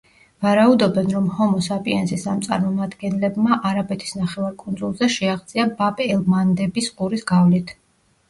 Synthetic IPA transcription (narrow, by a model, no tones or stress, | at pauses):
vaɾaud̪ɔbɛnɾɔmhɔmɔsapʼiɛnsisamt̪sʼa̰ɾmɔmad̪ɡɛnlɛbmaʔaɾabɛt̪ʰi̥snaχɛvaɾkʼund̪zulˠzɛʃɛaʁd̪zʼiabapʼiɛlˠmand̪ɛbisqʼuɾisɡavlit̪ʰ